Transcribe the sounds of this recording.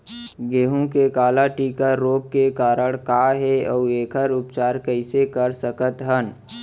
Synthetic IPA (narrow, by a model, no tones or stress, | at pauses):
ɡeːɦũkekaːlaʈiːkəɾoːp̚kekaːɾəɽkaːɦɛɔːeːkʰəɾʊpt͡ʃaːɾkəɪsekəɾsəkət̪ɦən